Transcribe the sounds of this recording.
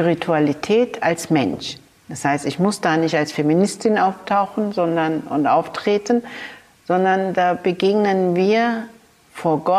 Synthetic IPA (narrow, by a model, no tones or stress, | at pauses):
spiʁitʰualitʰɛːtʰalsmɛnʃ | d̥ashaɪstɪçmʊsd̥aːnɪçtalsfeminɪstʰɪnʔaʊftʰaʊxn̩zɔndɐnʊ̰ntʔaʊftʁ̥eːtn̩ | z̥ɔndɐndaːbəɡeːɡnənviːɐ | foːɐɡɔ